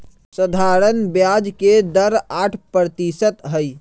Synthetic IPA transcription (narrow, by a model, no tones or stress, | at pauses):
səd̪ʱaɾənbjad͡ʒked̪əɾaʈʰpɾət̪isət̪ɦəj